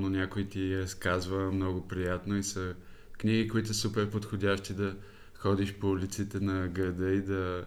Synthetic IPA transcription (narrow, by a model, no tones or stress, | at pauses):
nonʲakoit̪iɾɐskazvəmnɔɡopɾijat̪noisə | kniɡikoit̪ʊssupɛɾpot̪xodʲaʃt̪id̪ɐ | xɔd̪iʃpolʲit̪sit̪ɛnɐɡɾɐd̪əid̪ɐ